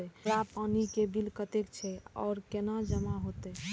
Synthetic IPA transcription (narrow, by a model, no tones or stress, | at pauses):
ɛɾapanikebilkət̪ekt͡ʃʰɛɔ̰ːɾkenad͡ʒəmaɦot̪ɛ